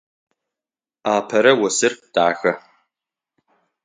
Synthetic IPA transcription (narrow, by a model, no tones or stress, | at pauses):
aːpʰɐɾɐwɐsɨrd̥aːxɐ